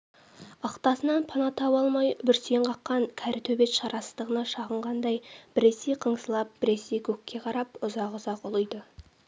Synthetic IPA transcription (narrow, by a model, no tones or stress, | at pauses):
ɑqt̪ɑsənɑnpʰɑnɑt̪ʰɑwɑlˠmɑjbʏɾse̞ɴqʰɑqːɑŋkʲʰæɾɪt̪ʰɵbe̞t̪ʃɑɾɑsəzd̪əʁənɑʃɑʁəɴʁɑnd̪ɑjb̥ɪɾe̞se̞jqʰəɴsəlˠɑp̚b̥ɪɾe̞sejkʲʰɵkʲːe̞qʰɑɾɑpʊzɑqʊzɑqʊlˠəjd̪ə